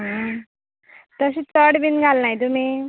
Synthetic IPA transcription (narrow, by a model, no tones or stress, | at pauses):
ɦa | t̪ʌsit͡sʌɽbinɡʱalnajd̪ume